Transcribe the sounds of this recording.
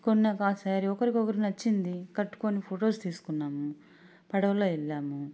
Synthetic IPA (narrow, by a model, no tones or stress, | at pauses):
konːɐkaːsaːɾiɔkɐɾikɔkɐɾinɐt͡ʃːind̪ikɐʈːu̥koːnipʰoːʈo̞ːst̪iːsu̥kunːaːmu | pɐɽɐʋɐlo̞ːilːaːmu